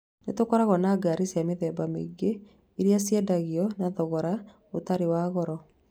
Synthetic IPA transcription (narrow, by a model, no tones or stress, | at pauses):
netokɔɾaɣɔnaːɡaɾesiameðɛːbamḛɡeː | ɾiasjɛdaɣiɔnaðɔɣɔɾa | otaɾewaːɣɔɾɔ